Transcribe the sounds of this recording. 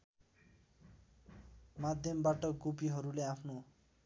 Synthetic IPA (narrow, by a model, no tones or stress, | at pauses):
mad̪ʱjʌmbaʈʌɡupiɦʌɾuleapʰno